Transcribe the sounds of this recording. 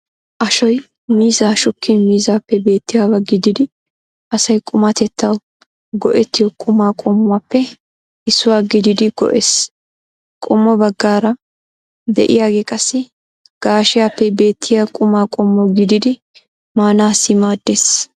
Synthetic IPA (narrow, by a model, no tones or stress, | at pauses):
ʔɐʃɔj | miːzaːʃʊkʰːɪnmiːzaːpːɛbe̞ːt̪ːɪjaːbɐɡɪd̪ɪd̪ɪ | ʔɐsɐjkʼʊmat̪ɛt̪ːɐw | ɡɔʔɛt̪ːɪjɔkʼʊmaːkʼɔmːʊwaːpːɛ | ɪsːʊwaːɡɪd̪ɪd̪ɪɡ̥ɔ̰ʔeːs | kʼɔmːɔbɐɡːaːɾɐ | d̪ɛ̰ʔɪ̰jaːɡeːkʼɐsːɪ | ɡ̥aːʃɪjaːpːɛbe̞ːt̪ʰːɪjakʼʊmaːkʼɔmːɔɡɪd̪ɪd̪ɪ | maːnaːsːɪmaːd̪ːeːs